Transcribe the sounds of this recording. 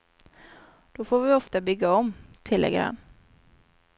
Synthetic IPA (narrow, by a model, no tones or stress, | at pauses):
d̪̥ɔfoːɾvɪɔft̪abʏɡːaɔmt̪ʰɪlːɛ̰ɡɾa̰nː